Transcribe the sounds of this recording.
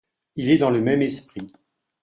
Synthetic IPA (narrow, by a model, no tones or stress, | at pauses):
ilɛd̪ɑ̃ləmɛmɛspχi